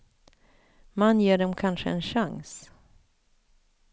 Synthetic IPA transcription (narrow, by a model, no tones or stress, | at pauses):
manjeːɖɔmkʰanʂəɛ̰nʂaŋs